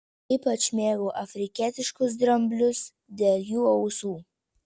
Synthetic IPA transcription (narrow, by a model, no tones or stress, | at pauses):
iːpɐt͡ʃmʲeːɡoːʔɐfʲɾʲɪkʲiːt̪ʲɪʃkʊs̬d̪ɾɐmʲbʲlʲʊs | d̪ʲeːlʲˠjuːɐʊsuː